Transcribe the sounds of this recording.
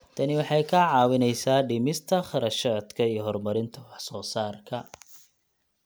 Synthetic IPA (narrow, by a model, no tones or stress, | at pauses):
t̪ʰɐnɪwɑħɑjkʰɐʕɑːwɪnɛjsaːɖɪmɪst̪ʰɐχɐɾɐʃɐd̪kʰɐijɞɦɔrmɐɾɪnt̪ʰɐwɑħsɔːsaːrkʰɐ